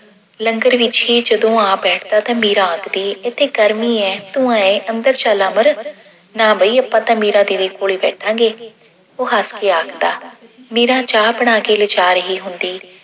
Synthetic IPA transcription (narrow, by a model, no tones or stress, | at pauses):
ləŋɡəɾʋɪt͡ʃiːd͡ʒəd̪õːãːbɛːʈʰd̪aːt̪ãːmiːɾãːəkd̪iːɪt̪ʰeːɡəɾmiːɛːt̪ʊ̃ãːẽːʔənd̪əɾt͡ʃaːlãːməɾ | nãːbəiːəpːãːt̪ãːmiːɾãːd̪iːd̪eːkoːɭiːbɛːʈʰãːɡeː | oːɦaːskeːaːkʰd̪aːmiːɾãːt͡ʃaːbəɽ̃aːkeːlət͡ʃaːɾəɦiːɦʊnd̪iː